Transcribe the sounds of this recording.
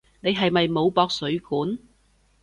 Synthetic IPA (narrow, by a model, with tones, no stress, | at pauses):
ne˨˧jɦɐ˨jmɐ˨jmo˨˧wpɔː˧k̚sɵ˨˥ɥkuː˨˥n